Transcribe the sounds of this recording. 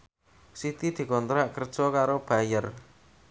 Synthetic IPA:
sit̪id̪̥i̤kɔnt̪ɾaʔkərd̥ʒ̥ɔkaɾob̥a̤jər

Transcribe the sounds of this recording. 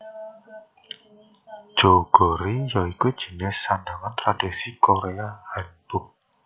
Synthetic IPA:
ʒ̥oɡ̥ɔɾijɔikwid̥ʒ̥i̤nesanɖaŋant̪ɾad̥isikoɾeahaɲb̥ʊk̚

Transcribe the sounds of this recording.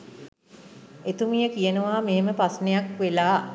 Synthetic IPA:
et̪umijəkijənəʋaːmeɦeməpasnejakʋelaː

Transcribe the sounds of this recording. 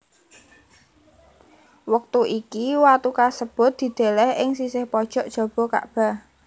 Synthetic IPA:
wək̚t̪uʔikiwat̪ukasəb̥ʊ̤t̪̚d̪̥i̤d̪̥e̤lɛhɪŋsisɪhpɔd̥ʒ̥ɔ̤ʔd̥ʒ̥ɔ̤b̥ɔ̤ka̰ʔb̥a̤

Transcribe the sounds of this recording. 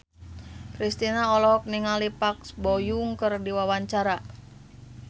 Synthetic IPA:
kɾist̪inaɔlɔk̚niŋalipaksbɔjuŋkərdiwawaɲt͡ʃaɾa

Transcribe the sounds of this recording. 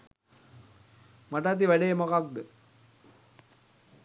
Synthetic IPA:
maʈ̬at̪̬iʋæɖemakak̚d̪ə

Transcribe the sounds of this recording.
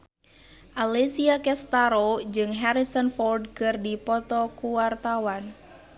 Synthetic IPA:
ʔalesiakɛst̪aɾod͡ʒɨŋɦaɾisɔnfɔrdkɨrdipɔt̪ɔkuwart̪awan

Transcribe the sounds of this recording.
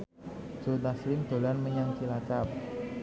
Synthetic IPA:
d͡ʒ̥ot̪aslɪmd̪̥o̤lanməɲaŋt͡ʃilat͡ʃap̚

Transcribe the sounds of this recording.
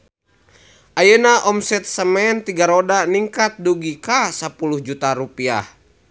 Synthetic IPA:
ʔajənaʔɔmsɛt̪̚səmɛnt̪iɡaɾodaniŋkat̪̚duɡikasapuluhd͡ʒut̪aɾupia̰h

